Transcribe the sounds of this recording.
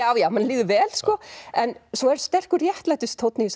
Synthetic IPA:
aːwjawmanliːðʏvɛːlskɔɛnsɔɛɾ̥st̪ɛr̥kʏrjɛht̪laːjt̪ʏst̪ʰowt̪nɪis

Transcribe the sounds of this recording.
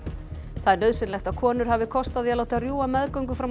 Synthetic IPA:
θaðɛɾnœːðsɪnlɛxt̪akʰɔːnʏɾ̥havɪkʰɔst̪aðialoːwt̪ɪarjuːamɛðkœɥŋkʏfɾam

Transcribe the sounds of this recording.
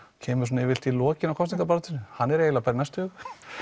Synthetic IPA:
cʰɛːmʏɾ̥s̬ɔnaɛvɪl̥t̪ilɔːcɪnakʰɔst̪iŋk̪apaɾat̪ʰɪnːʏhanːɛɾeːjlapaɾɪnajst̪hʏɣ

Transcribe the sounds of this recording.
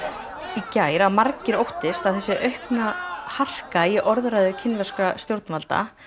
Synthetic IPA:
icaːjɾaðmaɾcɪɾowht̪ɪst̪aðθɛsːɪʔœɥhknahar̥kaiʔɔɾðɾajðʏcʰɪnvɛskast̪jowɾt̪nmalt̪a̰

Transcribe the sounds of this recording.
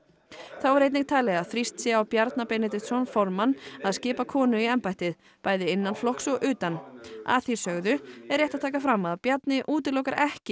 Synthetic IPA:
θawɛɾejt̪nɪŋk̚t̪ʰaːlɛɣaðθɾist̪sɛawpjaɾt̪napɛnɪt̪̬ɪt̪sɔnfɔɾmanaðscɪːpakʰɔːnʏiɛmpajht̪ɪð | paːjðɪɪnːanflɔhksɔɣʔʏːt̪ana̰θi̥sœɣðʏɛɾjɛht̪at̪ʰaːkafɾamːaðpjat̪nɪʔuːt̪ɪɾlɔwkaɾʔɛhcɪ

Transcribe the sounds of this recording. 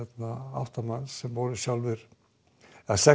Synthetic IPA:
ɛt̪naa̰wht̪amansːɛmvɔɾʏsjawlvɪɾ̥ | ɛðasɛ

